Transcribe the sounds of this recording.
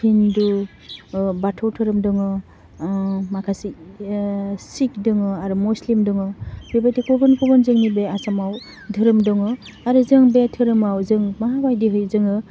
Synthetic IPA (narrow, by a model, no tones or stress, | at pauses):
indu | batʰɔwtʰɯɾɯmdɯŋɯ | makʰasi | sik̚dɯŋɯaɾumuslimdɯŋɯbibajtikubɯnkubanzɯŋnibeasamaw | dʱɯɾɯmdɔŋɯaɾuzɯŋbetʰɯɾɯmawzɯŋmaɦabajdiɦɯjzɯŋɯ